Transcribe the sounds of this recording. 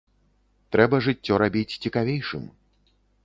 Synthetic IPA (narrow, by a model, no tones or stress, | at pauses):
t̪ɾɛbɐʐɨt͡sʲːɔɾabʲit͡sʲt͡sʲikavʲejʂɨ̰m